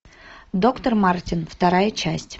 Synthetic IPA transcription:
d̪o̞kt̪ərmartʲɪnft̪ɐɾajət͡ɕæsʲtʲ

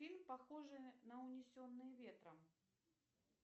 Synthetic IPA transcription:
ilʲmpaxɔʐɨnɐwnʲɛsʲɔnːɨjvʲɛt̪ɾɐm

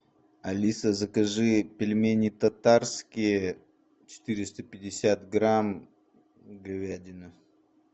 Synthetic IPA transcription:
ɐlʲisəzɐkɐʐɨpʲɪlʲmʲenʲit̪ɐt̪arskʲije | t͡ɕɪ̥t̪ɨɾʲɪst̪əpʲɪdʲɪsʲat̪ɡɾam | ɡɐvʲadʲɪnɨ

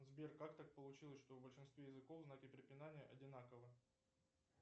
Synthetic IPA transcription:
zbʲerkakt̪ak̚pəlˠʊt͡ɕilˠəsʲʂt̪ovbəlʲʂɨnst̪vʲejɪzɨkovznakʲɪpɾʲɪpʲɪnanʲɪjəʔɐdʲɪnakəvɨ

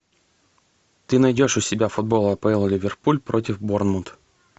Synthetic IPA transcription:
t̪ɨnɐjdʲo̞ʂʊsʲɪbʲafʊd̪̚bo̞lˠəpəilˠlʲɪvʲɪrpulʲpɾo̞tʲɪfbo̞rnmʊnt̪

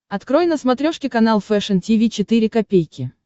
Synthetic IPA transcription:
ɐt̪kɾojɪnəsmɐt̪ɾʲoʂkʲɪkɐnalˠfɛʂəntʲivʲit͡ɕɪt̪ɨɾʲɪkɐpʲejkʲɪ

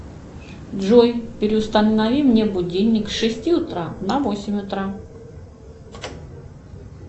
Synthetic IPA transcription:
d̪ʐojpʲɪɾʲɪʊst̪əɐvʲimnʲebʊdʲenʲːɪksʲʂɨsʲtʲiʊt̪ɾanɐvosʲɪmʲʊt̪ɾa

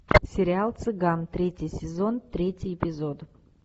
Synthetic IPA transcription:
sʲɪɾʲɪalˠt̪sɨɡamt̪ɾʲetʲɪjsʲɪzont̪ɾʲetʲɪjɪpʲɪzod̪

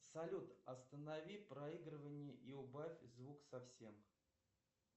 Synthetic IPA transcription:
sɐlʲut̪ɐst̪ənavʲipɾɐiɡɾɨvənʲɪjəʔiʊbafʲzvuksɐfsʲe̞m

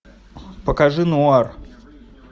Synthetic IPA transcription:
pəkaʐɨnʊar

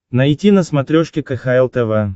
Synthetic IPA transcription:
nɐjtʲinɐsmɐt̪ɾʲoʂkʲɪkɐxaɛlˠt̪ɛvɛ

